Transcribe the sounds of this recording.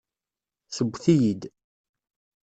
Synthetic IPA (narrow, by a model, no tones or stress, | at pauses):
səɡʷːθijid̪